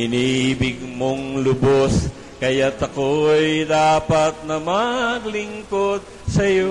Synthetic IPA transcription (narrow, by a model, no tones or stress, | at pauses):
ɪnibɪɡmoŋlʊbos | kɐjat̪ɐkojd̪aːpɐt̪̚nɐmɐɡlɪŋkod̪̚ | sɐjo